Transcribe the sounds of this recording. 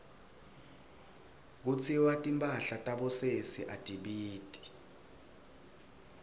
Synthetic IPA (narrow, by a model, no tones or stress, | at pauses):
k̬ut͡sʰiwatʼimpʼaɬatʼaɓɔsesiʔatʼiɓiːtʼi̥